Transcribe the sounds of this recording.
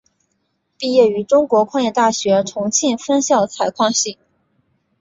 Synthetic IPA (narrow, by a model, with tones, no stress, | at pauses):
pi˥˧jɛ˥˩y˧˥ʈ͡ʂʊ˥ŋkwɔ˧˥kʰwɑ˥˧ŋjɛ˥˧t̪a˥˩ɕɥɛ˧˥ʈ͡ʂʰʊ˧˥ŋt͡ɕʰi˥˩nfə˥nɕjɑ˥˩ʊd̪ət͡sʰa˧˥ɪkʰwɑ˥˧ŋɕi˥˩ŋ